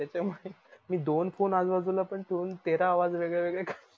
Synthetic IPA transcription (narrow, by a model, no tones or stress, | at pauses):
at͡ɕeməɦemiːd̪onfonad͡zʋad͡zulapəɳt̪ʰoɾuːnt̪eɾaːʋad͡zʋeɡɭaʋeɡɭekʰa